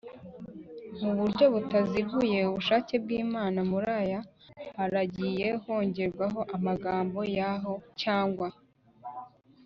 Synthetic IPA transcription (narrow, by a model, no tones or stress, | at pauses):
muβuɾɟo̞βutaziɡuje̞uβuʃaːce̞b̚ɡiːmaːnamuɾajahaɾaɟije̞ho̞ːɲɟe̞ɾɡwaɦo̞ʔamaɡaːmbo̞jaɦo̞caːŋɡwa